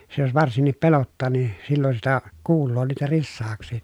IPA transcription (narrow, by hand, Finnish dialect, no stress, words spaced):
se jos ʋɑrsinːip pelotːɑː ni silːon sitæ kuːlːoː niːtæ risːɑːksˑiˑ